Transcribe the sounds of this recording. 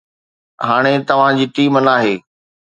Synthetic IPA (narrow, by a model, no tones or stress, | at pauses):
ɦaːɽ̃et̪ɐʋ̤ãd͡ʑiːʈiːmənaːɦeː